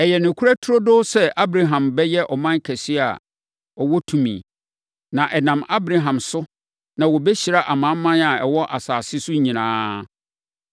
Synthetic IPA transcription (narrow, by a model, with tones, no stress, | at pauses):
ɛ˨jɛ˨nʊ̃˨kʰu˦ɾæ˦tʰʊ˦ɾo˦dʊ˦sɛ˦ʔa˦bɾa˨ɦã˨mbɛ˦jɛ˦ʔɔ˨mã˦ŋ˦kʰæ˨si˦a̰˨ | ɔ˨wɔ˦tʰũ˨mḭ̃˨ | nã˨ʔɛ˨nã˨ma˦bɾa˨ɦã˨msʊ˦ | nã˨wɔ˨bɛ˦ɕi˨ɾa˦ʔa˨mã˨˦mːã˦na˨ɛ˨wɔ˦ʔa˨saː˨sɪ˦sʊ˦ɲĩ˨nã̰ː˦